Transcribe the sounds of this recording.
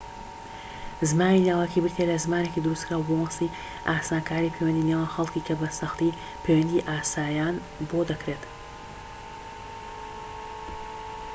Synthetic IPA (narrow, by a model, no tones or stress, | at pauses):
zmaːnilaːwakʰibɨɾt̪ʰelɐzmaːne̞kid̪ɨɾust̪kʰɾaːwbomsi | ʔaːsaːnkʰaːɾipʰejwɐnd̪inewaːnxɐlˠkikʰɐbɐsɐxt̪i | pʰejwɐnd̪iʔaːsaːjaːn | bod̪ɐkɾet̪